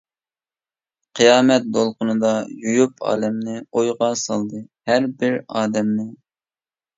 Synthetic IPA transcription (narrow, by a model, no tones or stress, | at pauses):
qʰɨjɑːmɛt̪̚d̪olˠqʊnɨd̪ɑjujupʰɑ̰ːlɛmnɨojʁɑsɑlˠd̪ɨhæɾbɪɾɑːd̪ɛmnɪ